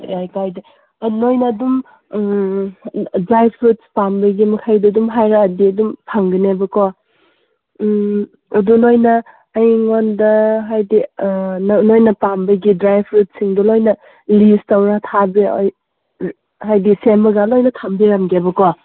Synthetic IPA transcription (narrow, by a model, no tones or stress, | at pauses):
ajkajdi | ɐnojnɐdum | dɾajpʰɾut̚spambɐɡimɐkʰajdɐdumɦajɾaːdiɐdumpʰaŋɡɐnebɐkow | dunojnɐː | jŋondɐɦajdinnojnɐpambɐɡidɾajpʰɾut̚siŋdulojnɐ | listawɾatʰabḭj | hajdisembɐɡalojnɐtʰambiɾamɡebɐko